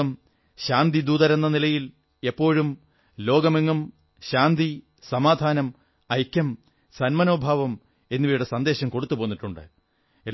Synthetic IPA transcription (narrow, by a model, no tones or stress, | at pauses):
ɐm | ɕaːnd̪id̪uːðɐɾe̞nːɐnilɐjil | e̞pːo̞ːɻum | lo̞ːɡɐmeŋːɐm | ɕaːnd̪i | sɐmaːd̪ʱaːnɐm | ɐjkʲːɐm | sɐnmɐno̞ːbʱaːʋɐm | e̞nːuʋiːjuɽesɐnd̪e̞ːɕɐmko̞ɽut̪ːupo̞ːnːiʈːuɳɖɨ̰ | e